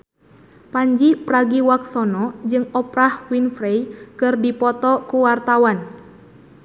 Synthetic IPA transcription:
paɲd͡ʒipɾaɡiwaksɔnɔd͡ʒɨŋɔpɾahwinfɾejkɨrdipɔt̪ɔkuwart̪awan

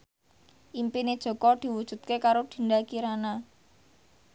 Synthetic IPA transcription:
ʔimpined̥ʒ̥ɔ̤kɔd̪̥i̤wud̥ʒ̥ṳt̪̚kekaɾod̪̥i̤nd̪akiɾana

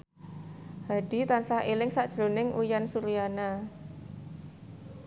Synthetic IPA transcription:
hadit̪ansahelɪŋsaʔd̥ʒ̥ɾonɪŋʔujansuɾiana

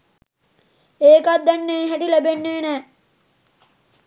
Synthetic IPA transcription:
eːkat̪̚d̪ːænːeeːɦæʈilæbenːeːnæː

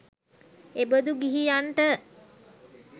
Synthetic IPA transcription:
ebəd̪uɡiɦijanʈə

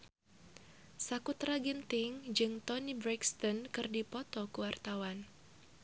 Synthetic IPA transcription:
sakut̪raɡint̪ɪŋd͡ʒɨŋt̪ɔnibɾɛkst̪ɔnkɨrdipɔt̪ɔkuwart̪awan

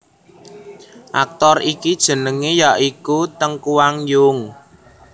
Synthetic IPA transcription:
ʔa̰k̚t̪ɔrikid̥ʒ̥ə̤nəŋejaʔikut̪əŋkuwaŋjʊŋ

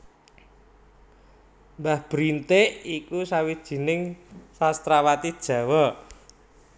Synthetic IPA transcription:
mbahb̥ɾint̪eʔikusawid̥ʒ̥i̤nɪŋsast̪ɾawat̪id̥ʒ̥ä̤wɔ

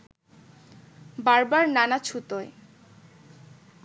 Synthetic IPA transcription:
baɾbaɾnanat͡ɕʰut̪oe

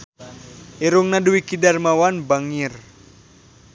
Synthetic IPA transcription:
iɾuŋnaduwikidarmawanbaŋir

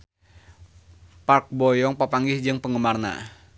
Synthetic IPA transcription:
park̚bɔjɔŋpəpaŋɡɪhd͡ʒɨŋpəŋəmarna̰

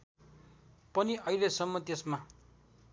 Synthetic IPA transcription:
pʌniʌilesʌmːʌt̪esma

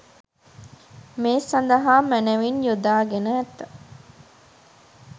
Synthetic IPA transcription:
meːsːɐnd̪ɐɦaːmæneʋinjod̪aːɡenæːt̪ːɐ

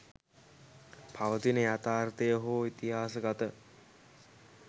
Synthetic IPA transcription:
pʰaʋət̪inəjat̪aːrt̪əjəɦoːit̪iɦaːsəɡat̪ə

